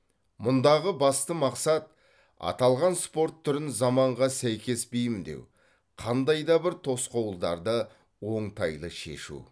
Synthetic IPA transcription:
mʊnd̪ɑʁəbɑst̪əmɑqsɑt̪̚ | ɑ̰t̪ɑlˠʁɑnspo̞ɾt̪ʰːʏɾɪnzɑmɑɴʁɑsæjkʲe̞sbijɪmnd̪e̞̰w | qʰɑnd̪ɑjd̪ɑbɪɾt̪ʰo̞sqɑwəlˠd̪ɑ̰ɾd̪ə | wo̞ɴt̪ʰɑjlˠəʃe̞̰ʃṵ

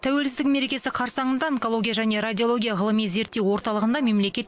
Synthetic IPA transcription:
t̪ʰæwe̞lsɪzd̪ɪk̚me̞ɾe̞kʲe̞sɪqʰɑɾsɑɴənd̪ɑeŋko̞lˠo̞ɡʲijaʒæne̞ɾad̪ʲijo̞lˠo̞ɡʲijaʁəlˠəmijze̞ɾt̪ːe̞wwo̞ɾt̪ɑlˠəʁənd̪ɑme̞mle̞kʲe̞t̪

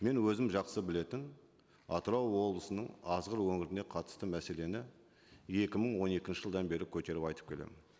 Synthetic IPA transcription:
me̞nwɵzɪmʒɑqsəbɪle̞t̪ɪn | ɑt̪əɾɑwwo̞blˠəsənəɴɑzʁəɾwɵŋɪɾɪne̞qʰɑt̪ə̥st̪əmæse̞le̞nɪ | je̞kʲɪməɴwo̞ne̞kʲɪnʃɪʒəlˠd̪ɑnbe̞ɾɪkʲʰɵt̪e̞ɾɪpɑjt̪ə̥pkʲʰe̞lḛmɪn

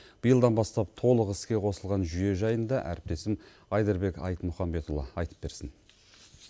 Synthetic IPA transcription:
b̥əjəlˠd̪ɑnbɑst̪ɑp̚t̪ʰo̞lˠəqɪskʲe̞qʰo̞səlˠʁɑnʒʏje̞ʒɑjənd̪ɑʔæ̰ɾɪp̚t̪e̞sɪm | ɑjd̪əɾbe̞kɑ̰jt̪mʊχɑmbe̞t̪ulˠɑɑjt̪ə̥p̚be̞ɾsɪn

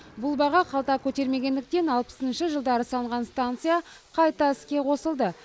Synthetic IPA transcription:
bʊlˠbɑʁɑqʰɑlˠt̪ɑkʲʰɵt̪e̞ɾme̞ɡʲe̞nd̪ɪk̚t̪e̞nɑlˠpə̥sənʃəʒəlˠd̪ɑɾəsɑləɴʁɑnst̪ant̪sɨja | qʰɑjt̪ɑɪskʲe̞qʰo̞səlˠd̪ə

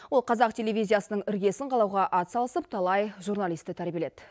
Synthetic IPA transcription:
wo̞lˠqʰɑzɑqtʲʰe̞le̞vʲijzʲijasənəɴɪɾɡʲe̞sɪɴqʰɑlˠɑwʁɑʔɑt̪sɑlˠəsəp̚t̪ʰɑlˠɑjʒurnalʲˠijst̪ɪt̪ʰæɾbijeled̪

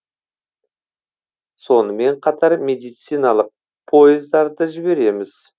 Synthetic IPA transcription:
so̞nəme̞ɴqʰɑt̪ɑɾmʲe̞d̪ijt̪sijnɑlˠəq̚ | pʰo̞jɪzd̪ɑɾd̪əʒɪbe̞ɾe̞mɪz̥

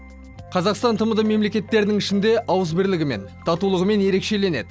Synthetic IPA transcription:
qʰɑzɑqst̪ɑnt̪ʰəməd̪əme̞mle̞kʲe̞t̪ːe̞ɾɪnɪŋɪʃɪnd̪e̞ʔɑwəzbɪɾlɪɡʲɪme̞̰nt̪ʰɑt̪ulˠəʁəme̞nje̞ɾe̞kʃe̞le̞ne̞d̪ɪ

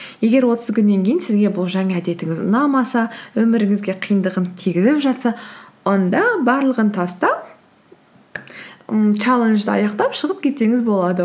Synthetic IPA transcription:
je̞ɡʲe̞ɾwo̞t̪əszkʲʰʏnːe̞ŋkʲʰejɪnsɪzɡʲe̞bʊlˠʒæŋæd̪e̞t̪ɪŋɪzʊ̰nɑmɑsɑwɵmɪɾɪŋɪzɡʲe̞qʰijənd̪əʁəmt̪ʰiɡʲɪzɪpʒɑt̪sɑwo̞nd̪ɑbɑɾlˠəʁənt̪ʰɑst̪ɑ | t͡ʃælˠenʒd̪ɪɑ̰jɑqt̪ɑpʃəʁəp̚kʲʰe̞t̪e̞ŋɪzbo̞lˠɑd̪ə

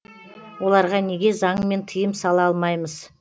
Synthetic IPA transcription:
wo̞lˠɑɾʁɑne̞ɡʲe̞zɑɴme̞nt̪ʰəjəmsɑlˠɑɑlˠmɑjməz̥

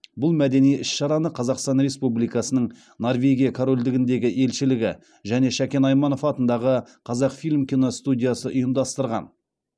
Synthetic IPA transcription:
bʊlˠmæd̪e̞nijɪsʃɑɾɑnəqʰɑzɑqst̪ɑnɾe̞spublijkɑsənəɴ | norvʲe̞ɡʲijakʰoɾo̞lʲd̪ɪɡʲɪnd̪e̞ɡʲɪʔe̞lʃɪlɪɡʲɪ | ʒæne̞ʃækʲe̞nɑjmɑno̞fɑt̪ənd̪ɑʁəqʰɑzɑqfilʲmkʲino̞st̪udʲijɑsəʔʊjəmd̪ɑst̪əɾʁɑ̰n

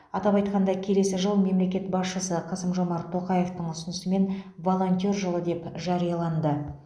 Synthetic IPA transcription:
ɑt̪ɑpɑjt̪̚qɑnd̪ɑkʲʰe̞le̞sɪʒəlˠme̞mle̞kʲe̞t̪bɑsʃəsəqʰɑsəmʒo̞mɑɾt̪ʰo̞qɑje̞ft̪əɴʏsɪnɪsɪme̞nvo̞lˠo̞nt̪ʲo̞ɾʒəlˠəd̪e̞pʒɑɾijɑlˠɑnd̪ə

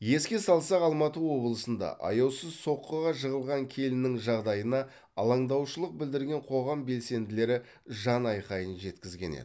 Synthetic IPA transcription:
je̞skʲe̞sɑlˠsɑqɑlˠmɑt̪əwo̞blˠəsənd̪ɑ̰ʔɑ̰jɑwsəzso̞qːəʁɑʒəʁəlˠʁɑŋkʲʰe̞lɪnːɪŋʒɑʁd̪ɑjənɑ | ɑlˠɑɴd̪ɑwʃəlˠəq̚bɪld̪ɪɾɡʲe̞ɴqʰo̞ʁɑmbe̞lse̞nd̪ɪle̞ɾɪ | ʒɑnɑjqɑjənʒe̞t̪kʲɪzɡʲe̞nḛd̪ɪ

